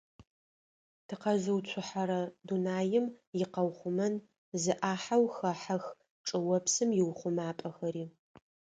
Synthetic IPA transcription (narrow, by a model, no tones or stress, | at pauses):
tʰɨqɐzɨwt͡ɕʷʰʊħaɾɐdunaːjɪmjɪqɐwχʷʊmɐn | zɨʔaːħawxɐħɐx | ʈ͡ʂʼɨwɐpsɨmjɪwχʷʊmaːpʼɐxɐɾiː